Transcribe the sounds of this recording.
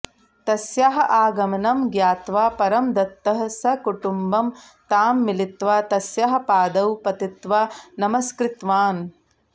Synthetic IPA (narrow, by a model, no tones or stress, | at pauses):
t̪ɐsjaɦɐʔaːɡɐmɐnɐmɡjaːt̪ʋaːpɐɾɐmd̪ɐt̪ːɐɦɐsɐkuʈumbɐm | t̪aːmːilit̪ʋaːt̪ɐsjaɦɐ̆paːd̪ɐwpɐt̪it̪ʋaːnɐmɐskɾɪt̪ʋaːn